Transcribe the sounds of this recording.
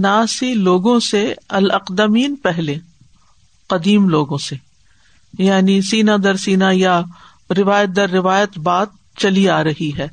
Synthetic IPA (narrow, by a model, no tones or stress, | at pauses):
naːsiloːɡõseɐlɐqd̪əmiːnpɛɦlẽ | qɐd̪iːmloːɡõse | jaːnisiːnad̪ɐɾsiːnaja | ɾɪʋaːjət̪̚d̪ɐɾːɪʋaːjət̪baːt̪̚ | t͡ʃɐliaːɾɐɦiɦɛː